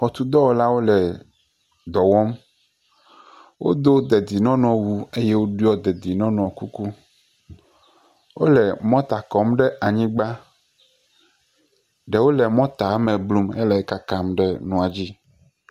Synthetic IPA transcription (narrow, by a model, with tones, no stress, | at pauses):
xɔ˨t̪u˨d̪ɔ˦wo˦la˦wo˦lɛ˨ | d̪ɔ˨wɔ˦m | wo̰˦d̪o˦d̪e˨d̪i˨nɔ̃˦nɔ̃˨wu˦e˦je˦wo˦ɖu˦ɔ˦d̪ɛ˨d̪i˨nɔ̃˦nɔ̃˨ku˦ku˦ | wo˦lɛ˨mɔ̃˦t̪a˨kɔ˨˦mɖɛ˦ʔa˨ɲĩ˦ɡ͡ba˦ | ɖɛ˨wo˦lɛ˨mɔ̃˦t̪a˨˦mɛ̃˨blu˦mɛ˦lɛ˨ɛ˦ka˦ka˦mɖɛ˦nũ˨a˨d͡ʑi˦